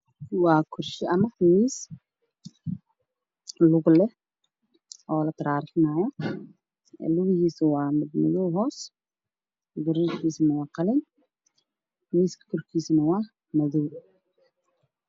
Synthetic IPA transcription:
wɑːkʰʊrʃɪʔɐmɐwiːs | lʊɣlɛ | ʔɔːlɐt̪ʰɐɾaːɾɪnaːjɐ | lʊɣɪhiːsɐwɑːmɪd̪mɪ̰juwɦɔːs | dʊɾɛʃkʰiːsɐnɐwɑːqɑlɛn | wiːskʰɐ̥kʰɔrkʰiːsɐnɐwɑː | mɐðuw

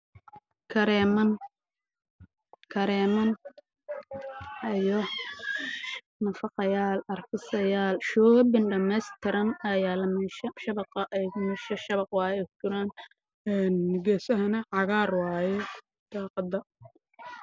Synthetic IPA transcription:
kʰɐɾɛːmɐn | kʰɐɾɛːmɐn | ɐjɔ | nɐfɑqɑjaːlɐrkʰɪsɐjaːlʃɔːbɪnɖɐmɛːst̪ʰɪɾɐnɐjaːlɐmɛʃɐʃɐβɑqɐʔɛjɣʊmɛʃɐʃɐβɑqwɑːjɛkt͡ʃɪɾaːn | ɛːnɡɛːsɐɦɐnɐʕɑɣaːrwɑːjɛ | d̪̥ɑːqɑd̪ɐ

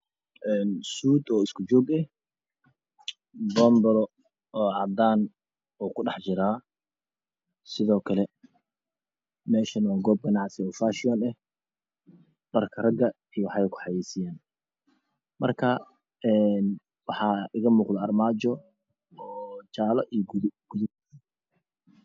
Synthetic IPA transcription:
ʔɛːnsuːd̪ɔːɪskʰʊd͡ʒɔːɡɛh | bɔmbɐɾɔ | ɔːʕɑd̪aːn | uːkʰʊɖɑħt͡ʃɪɾaː | sɪðɔːkʰɐlɛ | mɛːʃɐnwaːɡɔːb̚ɡɐnɑʕsɪɔːfaʃɪɔːnɛh | ɖɐrkʰɐrɐɡɐ | ijwɑħɑjɛkʰʊ̥ħɑjɛːsɪjaːn | mɐrkʰɐ | ɛːn | wɑħɑːɪɣɐmuːqd̪ɐɐrmaːt͡ʃɔ | ɔːt͡ʃaːlɔʔiɡɡ̥ʊðʊb̚

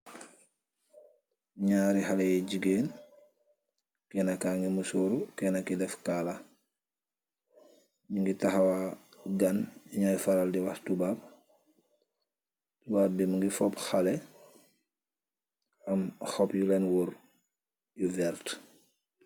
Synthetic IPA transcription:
ɲaːɾixalejiɟiɡeːn | kɛːnakaŋɡimusuːɾukɛnakidɛfkala | ɲiŋɡitaxawaɡaniɲajfaɾaldiwahtubab̚ | tubaːbimuŋɡifopxale | amxopjulenwuɾ | juvɛɾt

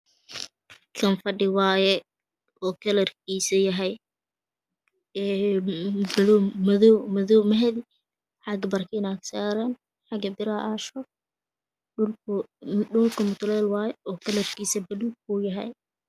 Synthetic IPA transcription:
kʰɐnfɐɖɪwɑːjɛ | ʔɔːkʰɐlɐrkʰiːsɐjɐɦɛj | ɛ | blːmɐðɔmɐðɔːmɐɦɛði | ħɑɡbɐrkʰɪnaksaːɾɐn | ħɑɡɐbɪɾɐʔaːʃɔ | ʊl | ʊlkʰʊmʊt̪ʰʊlɛːlwɑːjɛɔːkʰɐlɐrkʰiːsɐbɐluːɡ̚ujɐɦɛ̰j

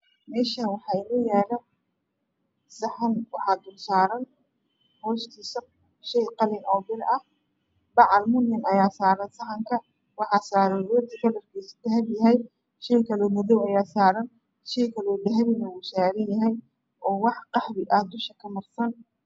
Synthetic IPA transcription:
mɛːʃɐwɑħɑːɪnɐjɛːlɐ | sɐħɐnwɑħɑːd̪ʊlsaːɾɐn | hɔːʃt̪ʰiːsɐ | ʃɛjqɑlɪnɔːbɪlɐh | bɑʕɑlmʊɦɪmɐjaːsaːɾɐnsɐħɐŋkʰɐ | wɑħɑːsaːɾɐwɔːt̪ʰikʰɐlɐrkʰiːsd̪ɐɦɐbjɐɦɛj | ʃɛjkʰɐlɔːmɐðɔwɐjaːsaːɾɐn | ʃɛjkʰɐlɔːd̪ɐɦɐβɪnɐwʊʃaːɾɐnjɐɦɛj | ʔɔːwɑħqɑħbɪʔɐhd̪ʊʃɐkʰɐmɐrsɐn

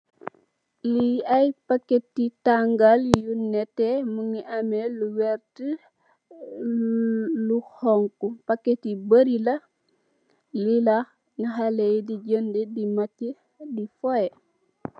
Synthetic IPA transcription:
liɐjpakːetːitaŋɡaljunɛtːɛmuŋiʔameluwɛrtə | luhɔŋkupɐkːetibəɾilɐ | lila | naɦalejdiɟəndədimacːə | difɔjɛ

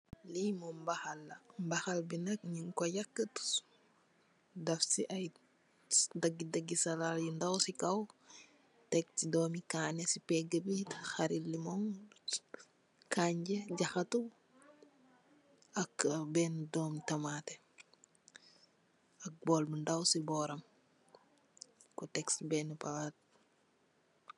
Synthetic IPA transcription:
limɔmbaxalːɐmbɐxɐlbinɐk̚ɲiŋkɔjakːət | dɐfsiʔɐj | dɐɡːidɐɡisɐlaljindɐwsikɐw | tɛk̚tidɔːmikaːnesipɛɡɐbitxaɾilːimɔŋ | kʰaɲɟeɟɐxɐtu | ɐkbɛːndɔːmtɐmaːte | ɐk̚bɔlbəndawsibɔːɾɐm | kutɛksbɛːnupawat

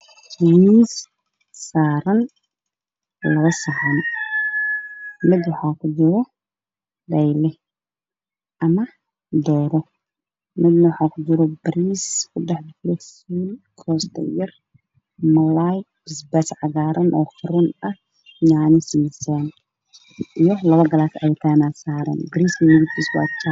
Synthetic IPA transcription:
wiːsː | aːɾɐn | lɐβɐsaʕɐn | mɪd̪wɑħɑːkʰʊd͡ʒɪɾɔ | d̪ɐjlɛ | ʔɐmɐ | d̪ɔːɾɔ | mɪd̪nɐwɑħɑːkʰʊd͡ʒɪɾɔbɐɾiːskʰʊɖɛħd̪ɪlɛsiːlkʰɔːst̪ʰɐ̰jɐr | mɐlajbɪsbɛsʕɑɣaːɾɐnʔɔːfɐɾʊnɐh | jaːnɪsisɐn | ʔijɔlɐβɐɡɐlaːsɐjt̪ʰaːnaːsaːɾɐ̰nbɪɾiːskɐmɪɡɪt̪ʰiːswa̰ːkʊ̥t͡ʃ

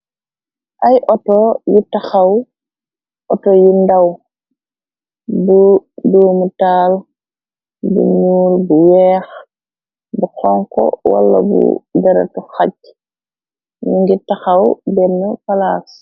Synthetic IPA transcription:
ʔajʔɔtɔjitaxaw | ʔɔtɔjindaw | buduːmutaːl | bṵɲuːlbuwɛːx | buxɔŋkɔ̰wa̰lːa̰bṵdɛɾa̰tuxac | juŋɡitaxawbɛnːukalaːs

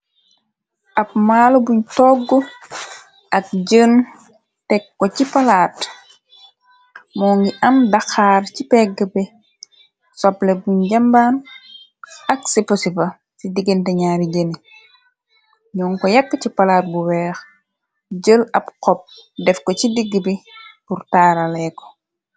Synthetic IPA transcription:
ʔɐp̚maːlobuɲtɔːɡːɔ | ʔɐk̚ɟən | tɛkːɔcipalaːt | mɔːŋɡiʔɐmdaxaːrcipɛɡəbɛ | sɔplɛbuɲɟambaːn | ɐksiposipɐ | sidiɡintɛɲaːɾiɟeni | ɲɔːŋkɔjɐkːəcipɐlaːt̚buwɛːx | ɟəlɐpqɔp̚dɛfkɔcidiɡːbipurtaːɾalɛkɔ̥

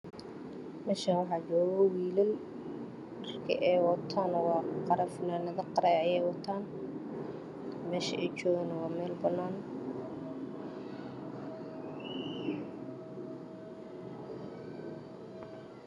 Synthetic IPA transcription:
mɛːʃɐwɑħɑːt͡ʃɔːɣɔwiːlɐl | ɐrkʰɐ̰ʔɛːwɐt̪ʰaːnwɑːqɑɾɐfɪnaːnɐðɐqɑɾɛːʕjɛːwɐt̪ʰaːn | mɛːʃɐʔɛt͡ʃɔːɣɐnɐwɑːmɛːlbɐnːaːn

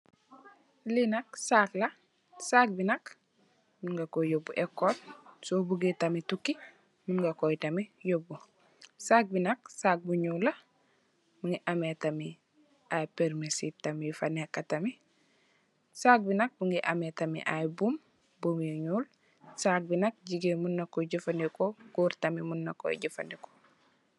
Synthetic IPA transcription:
linɐk̚saːklɐ | saːk̚binɐk | minɡakojobːuʔekːotsobuɡitamitukːi | minɡɐkojtɐmijobːu | saːk̚binɐk̚saːk̚buɲulːɐ | miŋɡiʔametami | ajpeɾmisitamifanekːatɐmi | sak̚binɐk̚buŋɡiʔa̰metɐmḭʔa̰jbum | bumiɲuːl | sak̚binɐk̚ɟiɡemunːakːoɟifandekoɡuɾtamimunːɐkːo̰ɟifa̰ndiko̥

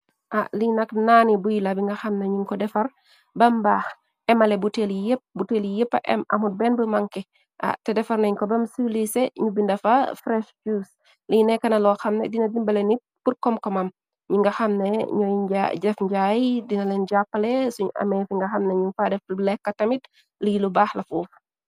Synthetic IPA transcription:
ʔaliɲnɐknanibujilɐbiŋɡɐxɐmneɲuŋkɔdɛfɐr | bɐmbaːx | ɛmɐlebutelijəp̚buteljəpːɐ̰ʔɛ̰mɐ̰mut̚bɛnbəmɐŋkɛ | ʔa̰tɛdɛfɐrnɐɲŋkɔbɐmsulisɛɲubindɐfɐfɾɛʃd͡ʒuːs | linɛkɐnɐlɔxɐmnɛdinɐdimbɐlɛni | purkɔmkɔmɐm | ɲuŋɡɐxɐmneɲɔjɟaɟɛfɲɟaːjdinɐlɛnɟapːɐlɛsuɲuʔɐ̰mɛfiŋɡɐxɐmnɐɲuŋfadɛflɛkːɐtɐmit | lijilubaːxlɐfuːf

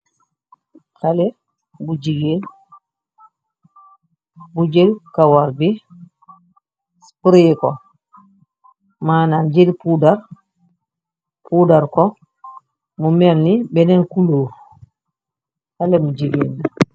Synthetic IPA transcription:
halɛ | bud͡ʒiɡen | bud͡ʒelkawaɾbi | spɾikɔ | maːnand͡ʒelpudaɾ | pudaɾkɔ | mumɛlnibɛnɛnkuloːɾ | halɛmud͡ʒiɡeːni

